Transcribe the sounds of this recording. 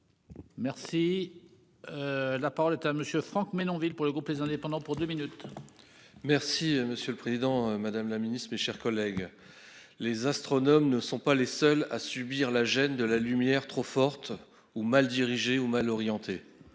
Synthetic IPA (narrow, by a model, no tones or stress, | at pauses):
mɛʁsi | lapaʁɔlɛt̪aməsjøfχɑ̃kmenɔ̃vilpuʁləɡʁuplezɛ̃d̪epɑ̃d̪ɑ̃puʁd̪øminyt̪ | mɛʁsiməsjøləpχezid̪ɑ̃mad̪amlaminist̪χmeʃɛʁkɔlɛɡ | lezast̪χɔnɔmnəsɔ̃palesœla̰sybiʁlaʒɛnd̪əlalymjɛʁt̪χofɔʁt̪ | umald̪iʁiʒeumalɔʁjɑ̃t̪e